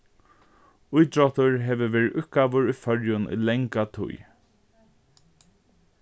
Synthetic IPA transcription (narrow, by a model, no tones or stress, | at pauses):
ʊjt̪ɹɔt̪ʊɹɦɛːʋəʋeːɹɪʊhtkaːʋʊɹujfœɹjʊnʊ̰lɛŋkat̪ʰʊ̰j